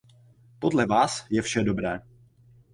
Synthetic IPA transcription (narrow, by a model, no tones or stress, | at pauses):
po̞dlɛvaːsjɛfʃɛdo̞bɾɛː